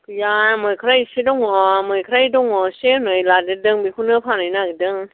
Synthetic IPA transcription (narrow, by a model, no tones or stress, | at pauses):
kɯjamɯjkʰɾajsidɔŋɔmɯjkʰɾajdɔŋɔsenɯjlaːdɯdɯŋmikʰunːɯpʰaːnanakɯdɯŋ